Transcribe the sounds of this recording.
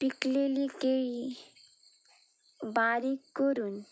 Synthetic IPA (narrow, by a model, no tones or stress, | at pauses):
piklelikeɭi | baɾikːɔɾuːn